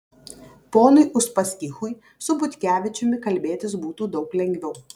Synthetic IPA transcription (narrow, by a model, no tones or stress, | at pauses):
poːnʊɪʔʊʃpɐsʲkʲɪxʊj | sʊbʊt̪ʲkʲæːʋʲɪt͡ʃʲʊmʲɪkɐlʲbʲeːt̪ʲɪs̬buːt̪uːd̪ɒʊklʲɛŋʲɡʲʋʲɛʊ